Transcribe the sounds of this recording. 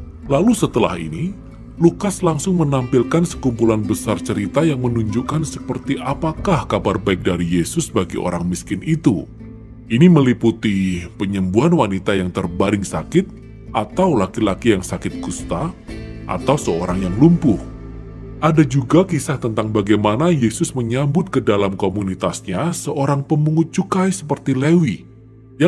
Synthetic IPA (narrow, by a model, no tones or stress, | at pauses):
lalusət̪əla̰hḭni | lukaslaŋsʊŋmənampilkansə̥kumpulanbəsart͡ʃəɾit̪ajaŋmənuɲd͡ʒukansə̥pərt̪iʔapakahkabarbaɪk̚daɾijesʊsbaɡiʔo̰ɾaŋmiskɪnit̪u | ʔiniməliput̪ipəɲəmbuɦanwanit̪ajaŋt̪ərbaɾɪŋsakɪt̪̚ | ʔat̪awlakilakijaŋsakɪt̪̚kust̪aʔa̰t̪awsəoɾaŋjaŋlumpʊh | ʔadad͡ʒuɡakisaht̪ənt̪aŋbaɡajmanajesʊsməɲambʊt̪̚kədalamkomunit̪asɲasəʔoɾaŋpəmuŋʊt̪̚t͡ʃukajsəpərt̪ilewi | ja